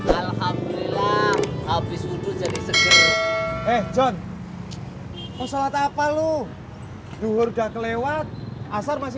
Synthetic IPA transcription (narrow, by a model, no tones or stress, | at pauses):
alhamdlilahabɪswudʊd͡ʒadisəɡəɾɛhd͡ʒɔn | ʔɔsalat̪apalu | duɦʊrdakəlewat̪̚ʔasarmas̬ɪ